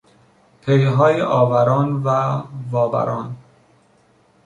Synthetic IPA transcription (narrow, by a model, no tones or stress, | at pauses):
pʰejɦɒːjeʔɒːvæɾɒːnvævɒːbæ̰ɾɒːn